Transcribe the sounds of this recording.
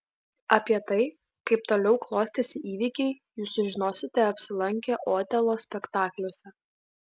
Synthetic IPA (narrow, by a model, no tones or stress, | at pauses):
ɐpʲiɛt̪ɐɪ | kɐɪpt̪oːlʲɛʊklˠoːsʲt̪ʲesʲɪʔiːʋʲiːkʲɛɪ | juːsʊʒʲɪnoːsʲɪt̪ʲɛɐpʲsʲɪlˠɐŋʲkʲeʔoːt̪ʲɛlˠoːsʲpʲɛkt̪ɑːklʲosʲɛ